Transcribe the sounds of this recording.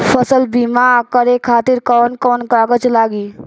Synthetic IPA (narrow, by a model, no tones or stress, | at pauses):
pʰəsəlbimakəɾekʰaːt̪iɾkɔːnkɔːnkaːɡət͡ʃlaːɡiː